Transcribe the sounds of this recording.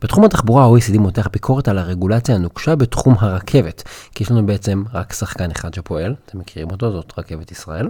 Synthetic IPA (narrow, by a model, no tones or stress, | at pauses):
b̥etχumhataχbuʁaoisid̪imo̞te̞aχbikʰo̞ʁe̞talaʁe̞ɡulat͡sjaanuɡʃabe̞tχumɦaʁakʰe̞vetʃijeʃlanubeet͡se̞mʁaksaχkaneχad̪ʃe̞po̞e̞lat̪ʰemːekiʁimo̞to̞zo̞tʁake̞vet̪isʁa̰ʔe̞l